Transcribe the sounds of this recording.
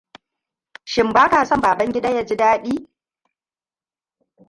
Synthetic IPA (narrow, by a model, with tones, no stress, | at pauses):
ʃɪ˨mbaː˦kaː˨sɐ˦˨mbaː˨bɐ˦ŋɡʲɪ˦da˦ja˦d͡ʒi˦daː˦ɗiː˦